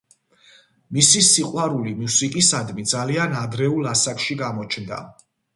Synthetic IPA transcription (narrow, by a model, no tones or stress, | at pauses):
misisiqʼwaɾulimusikʼisad̪mid̪zalianad̪ɾɛulˠasakʰʼʃiɡamɔt͡ʃʰnd̪a̰